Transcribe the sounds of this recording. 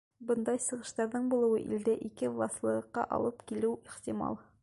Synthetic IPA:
bɤnd̪ɑjsɤ̆ʁɤ̆ʃt̪ɑɾðɤɴbulˠɤ̆wɤʔḭld̪æʔikɘvlˠɑslˠɤ̆ɤ̆qːɑʔɒ̰lˠɤpkilɘwiχt̪imɑ̰lˠ

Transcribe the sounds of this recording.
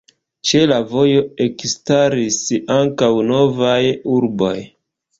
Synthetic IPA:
t͡ʃe̞lavo̞jo̞e̞kstaɾisaŋkawno̞vajuɾbo̞̰j

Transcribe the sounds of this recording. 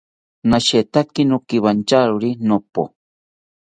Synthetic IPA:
naʃet̪akinukiβant͡ʃaɾuɾinopo̰

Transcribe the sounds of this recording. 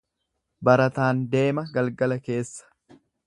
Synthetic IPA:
bɐɾɐt̪aːnd̪e̞ːmɐɡɐlɡɐlɐke̞ːsːɐ̥

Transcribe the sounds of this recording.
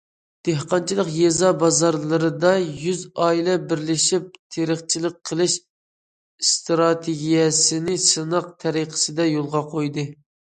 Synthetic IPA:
d̪̥ehqɑnt͡ʃʰilˠəqjɛzɑbɑzɑɾlˠɨɾɨd̪ɑjyzɑilˠɛbɪɾlɪʃip̚t̪ʰeɾəχt͡ʃʰilˠəq̚qʰːəlˠɨʃ | st̪ɾɑt̪ʰeɡʲijɛsɪnɪsɨnɑq̚t̪ʰɛɾiqʰə̥sɨd̪ɛjolˠʁɑqʰojd̪ɨ

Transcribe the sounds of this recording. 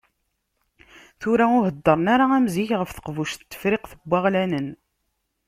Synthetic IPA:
θʊɾaʊɦəd̪ːəɾˤnaɾaæmziçʁəfθə̥qvuʃt̪ːə̥fɾɪqθəbʷːaʁlænən

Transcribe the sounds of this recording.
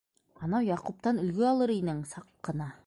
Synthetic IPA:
ɑnɑwjɑqup̚t̪ɑnɵ̆lɡɵɑlˠɤɾinɘɴsɑqːɤ̆nɑ

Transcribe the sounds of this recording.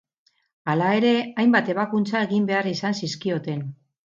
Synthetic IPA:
alae̞ɾe̞ajmbat̪e̞β̞akunt͡sae̞ɣimbe̞arisansiskio̞t̪e̞n

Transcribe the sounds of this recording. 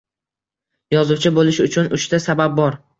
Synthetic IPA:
jɒzʊwt͡ʃʰɪbolɪʃʊt͡ʃʰʊnʊʃt̪asabab̚bɒɾ

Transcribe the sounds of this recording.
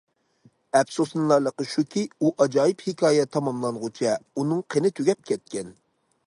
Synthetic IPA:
ɛpsosnlˠɑɾlˠəqəʃukʲʰiuʔɑd͡ʒɑːjɨphɪkʰɑːjɛt̪ʰɑmɑmlˠɑŋʁʊt͡ʃʰɛunɨŋqʰənɪt̪ʰøɡʲɛp̚kʲʰɛt̪̚kʲɛn

